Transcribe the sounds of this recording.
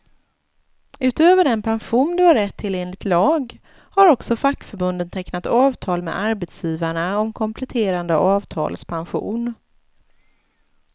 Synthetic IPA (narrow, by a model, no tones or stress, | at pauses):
ʉ̟ːt̪øːvəɖɛnpʰanɧuːnd̪ɵvaɾɛt̪ʰːɪleːnlɪɡ̚t̪lɑːɡ | haɾɔksɔfakːfœɾbɵnd̪ənt̪ʰɛknat̪ɑːvt̪ʰɑːlmḛd̪aɾbɛt̪sjiːvaɳaɔmkʰɔmpʰlɛt̪ʰeːɾand̪əʔɑːvt̪ʰɑ̰ːlspʰanɧṵːn